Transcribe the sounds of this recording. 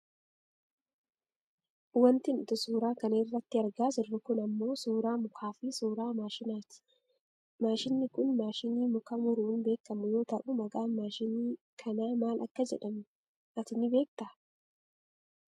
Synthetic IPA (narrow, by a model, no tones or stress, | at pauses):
wɐnt̪ɪnʊt̪ɪsuːɾaːkɐneːrːɐt̪ːɪɐɾɡaːsɪrːɐkʊnɐmːo̞ːsuːɾaːmʊkʰaːfɪsuːɾaːmaːʃɪnaːt̪ɪ̥ | maːʃɪnːɪkʊnmaːʃɪniːmʊkɐmʊɾuːnbe̞ːkːɐmʊjo̞ːt̪ɐʔʊmɐɡʼaːmaːʃɪnɪ | kʰɐnaːmaːlʔɐ̰kːɐd͡ʒɛᶑɐmʊ | ʔɐt̪ɪnːɪbe̞ːk̚t̪ɐ